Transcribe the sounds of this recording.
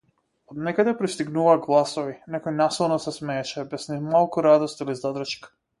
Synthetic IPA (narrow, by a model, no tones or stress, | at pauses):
od̪nɛkad̪ɛpɾist̪iɡnuvaɡlˠasoʋinɛkojnasilˠnɔsɛsmɛːt͡ʃɛbɛsnimalˠkuɾad̪ost̪ilizad̪ɾ̩ʃk